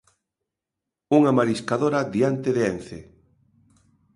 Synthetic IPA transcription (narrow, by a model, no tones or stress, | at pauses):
uŋamaɾiskaðoɾaðiant̪eðeen̟θḛ